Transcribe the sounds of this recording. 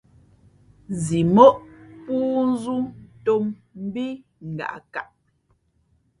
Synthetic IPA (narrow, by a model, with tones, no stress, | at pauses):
zi˨mɔ˦ʔpuː˦n̩˦zu˦to˦mm̩˦bi˦ | ŋ̩˨ɡa̰˨ʔka̰˨ʔ